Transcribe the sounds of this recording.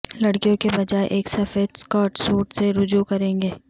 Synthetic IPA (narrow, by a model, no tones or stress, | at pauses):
lɐɽkijõkebɐd͡ʒaːeʔeːksɐfeːd̪skɔːʈsuːʈseɾʊd͡ʒukɐɾẽːŋɡeː